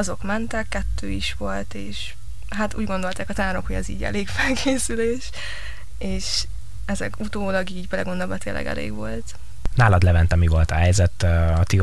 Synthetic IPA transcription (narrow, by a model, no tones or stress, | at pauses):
ɒzo̞kmɛnt̪ɛkːɛt̪ʰːøːiʃʋo̞lt̪eːʃ | ɦat̪uːɟɡo̞nd̪o̞lt̪aːkɒt̪aːɾo̞khoɟɛzḭːɟɛ̰leːkfɛlkʰeːsyleːʃ | eːʃ | ɛzɛ̰kut̪oːlɒɡiːɟbɛlɛ̰ɡond̪ɒbɒt̪eːlːɛ̰ɡɛ̰lḛːɡʋo̞lt̪ | naːlɒd̪lɛvɛnt̪ɛmivo̞lt̪ɒɦɛjzɛt̪ɒt̪i